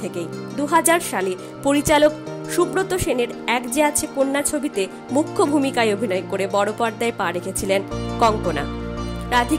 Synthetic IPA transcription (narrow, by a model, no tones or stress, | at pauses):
ekejd̪uɦad͡ʑaɾʃale | poɾit͡ɕalok̚ʃubɾot̪oʃeneɾɛkd͡ʑeat͡ɕʰekonːat͡ɕʰobit̪e | mukʰːobʱumikaeobʱinɔekoɾebɔɽopaɾd̪aepaɾekʰet͡ɕʰilenkɔŋkona̰ɾad̪ʱi